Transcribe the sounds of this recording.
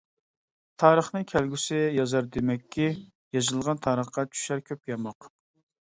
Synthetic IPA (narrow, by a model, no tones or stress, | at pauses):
t̪ʰɑːɾəχnɨkʲʰɛlɡʲysɪjɑzɑɾd̪emɛkʲʰːi | jɑzɨlˠʁɑnt̪ʰɑːɾəχqɑt͡ʃʰy̥ʃæɾkʲʰøpjɑmɑq